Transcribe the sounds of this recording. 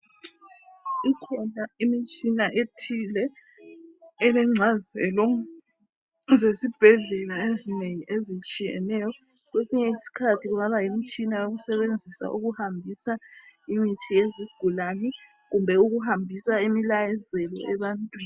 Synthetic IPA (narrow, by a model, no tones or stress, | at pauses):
ikʰɔnaimit͡ʃʼinaʔetʰilɛ | lɛŋ͡ǀʱazɛ̰lɔ | zesib̥ʱɛɮɛlaezineŋiʔezit͡ʃʼijɛ̰nɛjɔ | ɣwesiɲɛisi̥kʰatʰiɣuŋaβajimit͡ʃʼinajoɣusɛβend͡zʱisa̰ʔṵɣuhambʱisaimitʰijeziɡ̥ʱulanɛ | ɣumbʱɛuɣuhambʱisaimilajɛzɛlɔ̰ɛβantʼwiːn